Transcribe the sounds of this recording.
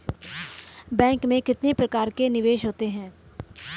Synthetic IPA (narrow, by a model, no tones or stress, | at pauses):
bɛ̃ːŋkmẽkɪt̪nepɾɐkaːɾkenɪʋeːʃɦoːt̪eɦɛ̃ː